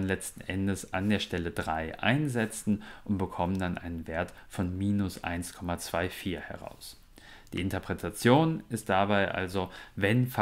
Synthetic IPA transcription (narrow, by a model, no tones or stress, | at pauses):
nlɛt͡stn̩ʔɛ̰ndəsa̰ndeːɐʃtɛlədʁaɪʔa̰ɪnzɛt͡sn̩ʔʊntb̥əkʰɔməndanʔa̰ɪnənveːɐtfɔnmiːnʊsʔa̰ɪnskʰɔmat͡sv̥aɪfiːɐhɛ̰ʁ̞a̰ʊs | d̥ḭːʔɪntɐpʁ̥ɛtʰat͡sjoːnɪst̚d̥abaɪʔa̰lzovɛnf